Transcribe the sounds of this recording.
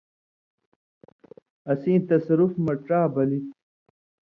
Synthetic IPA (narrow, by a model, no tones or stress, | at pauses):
ɐsĩːt̪ɐsɐɾufmɐʈɾaːbɐlit̪̚